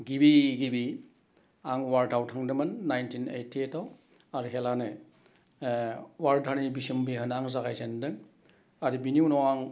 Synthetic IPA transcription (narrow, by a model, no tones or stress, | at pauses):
ɡibiɡibi | aŋwaɾtʰawtʰaŋdɯmɯnːajntinḛjtʰːietʰaw | aɾiɦelanɯ | waɾdʰʱaɾnibisimbiɦɯnaŋzaɡajzendɯŋ | aɾibiniunɔwaŋ